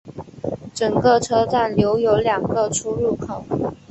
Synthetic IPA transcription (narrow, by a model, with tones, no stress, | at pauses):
ʈ͡ʂɤ˨˩ŋkə˥˧ʈ͡ʂʰɤ˥ʈ͡ʂa˥˩nljo˧˥ʊjo˧˥ʊljɑ˨˩ŋɡə˧ʈ͡ʂʰu˥ɻu˥˩kʰo˨˩˦